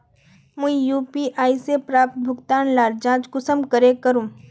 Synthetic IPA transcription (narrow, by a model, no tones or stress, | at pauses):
mũĩjuːpiʔaːisepɾaːp̚t̪̚bʱʊɡt̪aːnlaːɾd͡ʒãːt͡ʃɡʊsəmkəɾekəɾũː